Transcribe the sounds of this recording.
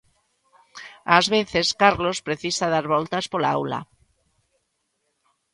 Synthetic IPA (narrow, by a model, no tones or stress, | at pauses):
azβeθeskaɾlospɾeθisaðaɾβolt̪aspolaa̰wla̰